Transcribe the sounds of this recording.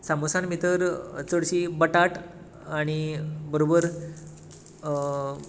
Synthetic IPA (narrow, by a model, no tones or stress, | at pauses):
samosanmit̪əɾt͡səɽt͡ɕibəʈaʈ | aɽ̃ibəɾobəɾ